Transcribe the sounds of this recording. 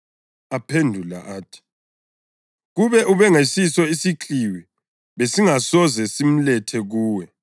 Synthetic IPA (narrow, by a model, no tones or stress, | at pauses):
apʰendʱula̰ʔaːtʰi̥ | ɣuβɛʔuβɛŋesisɔisiǁʰiwi | βesiŋasɔzɛsim̩lɛtʰɛɣuːwɛ